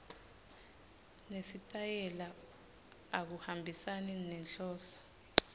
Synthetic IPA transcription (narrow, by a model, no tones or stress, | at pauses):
nesitʼajɛla | ak̬uhambʱisaninɛnɬɔːsɔ̥